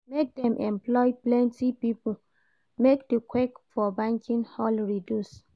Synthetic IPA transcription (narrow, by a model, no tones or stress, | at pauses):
mek̚dɛ̃mʔɛ̃mplɔjplɛ̃ntipipul | mekdekʰwekfɔbãŋkʰĩnhɔlɹidjus